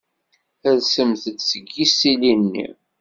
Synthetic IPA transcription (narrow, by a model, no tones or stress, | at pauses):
æðsəmθəd̪səɡːisilinːḭ